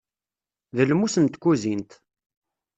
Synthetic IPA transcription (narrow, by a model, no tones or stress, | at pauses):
ðəlmusənt̪kːuzint̪